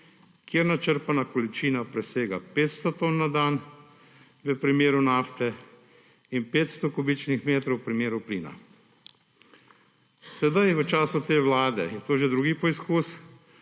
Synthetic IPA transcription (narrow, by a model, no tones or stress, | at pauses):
kjeːɾnat͡ʃəɾpanakɔlit͡ʃiːnapɾɛseːɡapeːt̪st̪ɔt̪oːnːad̪aːn | ʋəpɾimeːɾunaːft̪ɛ | inpeːt̪st̪ɔkubit͡ʃnixmeːt̪ɾɔwpɾimeːɾupliːna̰ | sɛd̪ajʋət͡ʃaːsut̪eːʋlaːd̪ɛ̰jɛt̪oːʒed̪ɾuːɡipɔiskuːs